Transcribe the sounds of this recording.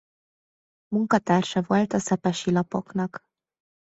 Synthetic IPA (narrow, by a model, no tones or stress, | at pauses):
muŋkɒt̪aːrʃɒvo̞lt̪ɒsɛpɛʃilɒpo̞knɒk